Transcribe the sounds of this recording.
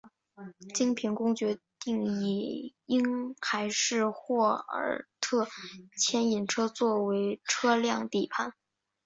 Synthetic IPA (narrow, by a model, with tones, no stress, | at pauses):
t͡ɕi˥ŋpʰi˧˥ŋkʊ˥ŋt͡ɕɥɛ˧˥t̪i˥˩ŋi˨˩i˥nxa˧˥ɪʂɻ̩˥˧xwɔ˥˩ə̰˨˩t̪ʰɤ˥˩t͡ɕʰjɛ˥ni˨˩nʈ͡ʂʰɤ˥t͡swɔ˥˩we˧˥ɪʈ͡ʂʰɤ˥ljɑ˥˧ŋt̪i˥˨˩pʰa˥˩n